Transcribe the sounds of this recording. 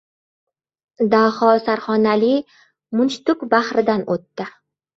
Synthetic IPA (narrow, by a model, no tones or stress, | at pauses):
d̪ahɒsaɾχɒnali | mʊnt͡ʃt̪ʊkbahɾɪd̪anot̪ːɪ